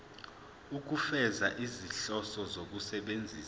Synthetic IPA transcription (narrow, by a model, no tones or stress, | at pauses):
uk̬ufɛzaʔiziɬɔsɔzok̬usɛɓend͡zʱiːsa